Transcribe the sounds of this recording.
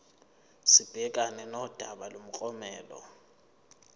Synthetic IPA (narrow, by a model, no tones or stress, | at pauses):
sib̥ʱɛk̬ʼanɛnɔd̥ʱaɓalom̩k͡xʼɔmɛːlɔ̰